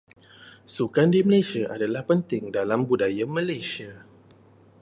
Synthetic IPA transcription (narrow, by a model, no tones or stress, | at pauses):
sukandiməlesiaʔadalahpənt̪ɪŋdalambudajamə̃lesia